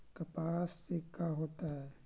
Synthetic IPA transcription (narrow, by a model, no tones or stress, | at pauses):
kɐpaːsːekaɦoːt̪aɦɛː